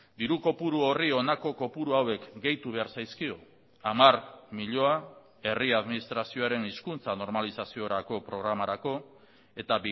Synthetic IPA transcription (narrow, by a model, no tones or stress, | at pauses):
d̪iɾuko̞puɾuo̞rio̞nako̞ko̞puɾuawe̞kɡe̞jt̪uβ̞e̞aɾsajskio̞ | amaɾmiʎo̞a | e̞riað̞minist̪ɾasio̞aɾe̞niskunt͡sano̞ɾmalisasio̞ɾako̞pɾo̞ɣ̞ɾamaɾako̞ | e̞t̪ab